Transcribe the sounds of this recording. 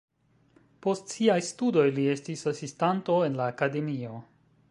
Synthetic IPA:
po̞stsiajstudo̞jlie̞stisasistanto̞e̞nlaːkade̞mio̞

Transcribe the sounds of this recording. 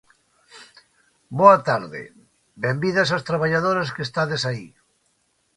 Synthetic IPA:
boat̪aɾðḛ | bembiðasast̪ɾaβaʎaðoɾaskest̪aðesai

